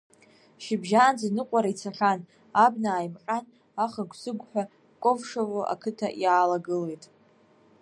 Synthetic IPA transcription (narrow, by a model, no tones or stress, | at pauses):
ʃɪbʒaːnd͡zanɨqʷʼaɾait͡sʰaχʲan | abnaːjmqʲʼan | aχaɡʷʰsɨɡʷħʷᶣa | kʷʼovʂavoʔa̰kʰɨtʰa̰ʔjaːlaɡɨle̞jtʼ